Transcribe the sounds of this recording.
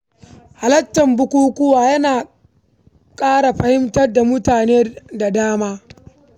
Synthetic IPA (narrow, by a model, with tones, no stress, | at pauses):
ha˨lɐ˦tːɐ˨mbʊ˦kʷuː˦kʷʊ˦waː˨jɐ˦naː˨ | kʼaː˦ɽa˨ɸɐ˦hɪ˦mtɐ˦rda˨mʊ˦taː˨neː˦da˨daː˦maː˦